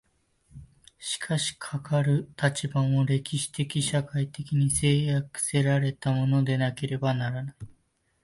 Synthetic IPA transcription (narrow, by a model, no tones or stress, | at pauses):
ɕi̥kʰaɕi̥kʰakaɾɯ̟t̪at͡ɕibãɰ̃o̞ɾe̞kʲiɕi̥t̪e̞kʲiɕakait̪e̞kʲiɲ̟ise̞ːjakɯ̟̥se̞ɾaɾe̞t̪amo̞no̞d̪e̞nake̞ɾe̞banaɾanai